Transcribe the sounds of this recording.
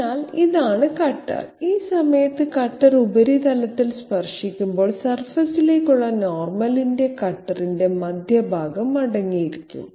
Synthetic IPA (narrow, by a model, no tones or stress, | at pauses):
aːliðaːɳɨkɐʈːɐ̰riːsɐmɐjɐt̪ːɨkɐʈːɐrubɐɾit̪ɐlɐt̪ːilspɐrʂikʲːumbo̞ːɭsɐrfɐsilekuɭːɐnoːrmɐlinde̞kɐʈːɐrinde̞mɐd̪ʱjɐbʱaːɡɐmɐɽɐŋːijiɾikʲːṵm